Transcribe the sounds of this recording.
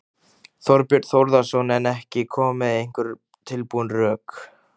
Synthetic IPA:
θɔɾpjʏɾt̪θowɾðasownɛnɛhcɪkʰɔːmɪðejŋ̥kʏɾ̥ | t̪ʰɪlpuʏnrœːk

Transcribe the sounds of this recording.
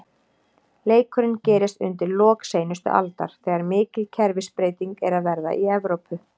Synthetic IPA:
leːjkœɾɪncɛːɾɪst̪ʏ̰nt̪ɪɾlɔːkseːjnʏst̪ʏ̰ʔa̰lt̪a̰ɾ̥θɛːɣaɾmɪːcɪlcʰɛɾvɪspɾeːjt̪iŋkɛɾaðvɛɾða̰ʔiɛvɾowpʏ

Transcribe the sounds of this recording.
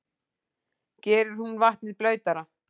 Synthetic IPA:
cɛːɾʏɾ̥hunvaht̪nɪðplœːɥt̪aɾa

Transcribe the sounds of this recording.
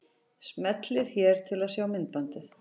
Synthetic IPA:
smɛt̪lɪðçɛɾ̥t̪ʰɪlaðsjaːwmɪnt̪̚pant̪ɪθ

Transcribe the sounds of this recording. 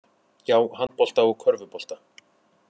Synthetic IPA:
jaːwɦan̚pɔl̥t̪aɔɣkʰvœɾvʏpɔl̥t̪a

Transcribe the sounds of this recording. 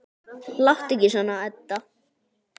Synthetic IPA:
laht̪ɪcːɪsanaɛt̪ːa

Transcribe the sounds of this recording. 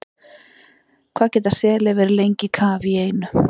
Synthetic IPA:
kʰv̥aːðcɛːt̪asɛːlɛvɛːɾɪlejɲcɪkʰaːvieːjnʏ

